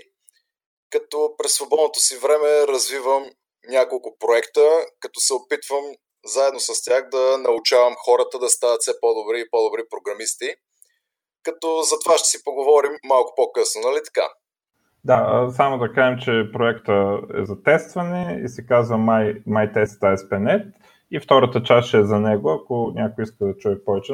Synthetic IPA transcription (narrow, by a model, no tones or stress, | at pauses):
kɐt̪ɔpɾɛsvobɔd̪not̪osivɾɛmɛɾɐzvivəm | nʲakolˠkʊpɾoɛkt̪əkɐt̪ɔ̥sɛopit̪vəm | zaɛd̪nosəst̪ʲaxd̪ɐnɐʊt͡ʃavəmxɔɾət̪əd̪ɐst̪anɐt̪sɛpɔd̪obɾiːpɔd̪obɾipɾoɡɾɐmist̪i | kɐt̪ɔzɐt̪ovaʃt̪ɛ̥sipoɡovɔɾimːalˠkʊ̥pɔkɤsnonɐlit̪ɐ̥ka̰ | d̪aəsamod̪ɐkaʒɛmt͡ʃɛpɾoɛkt̪əɛ̰zɐt̪ɛst̪vɐnɛḭsɛkazvəmajmajt̪ɛst̪aɛspɛnɛt̪ | ift̪ɔɾət̪ət͡ʃasʃɛːzɐnɛɡoɐkonʲʔakojiskəd̪ɐt͡ʃuɛpɔvɛt͡ʃɛ